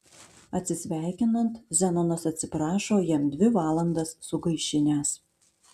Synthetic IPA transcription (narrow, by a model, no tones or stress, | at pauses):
ɐt̪ʲsʲɪsʲʋʲæˑɪkʲɪnɐnt̪zʲɛnonɐsɐt̪ʲsʲɪpɾɑːʃoːjɛmd̪ʲʋʲɪʋɑːlˠɐnd̪ɐsːʊɡɐɪʃʲɪnʲæːs